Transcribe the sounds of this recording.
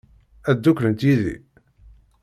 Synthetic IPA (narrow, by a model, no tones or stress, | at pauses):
æd̪ːuklənt̪iðḭ